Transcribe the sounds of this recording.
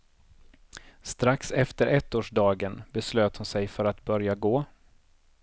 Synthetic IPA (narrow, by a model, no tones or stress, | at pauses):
st̪ɾaksɛft̪əɾʔɛt̪ːoːʂɖɑːɡənbɛsløːt̪hʊnsɛjfœɾat̪bœɾjaɡoː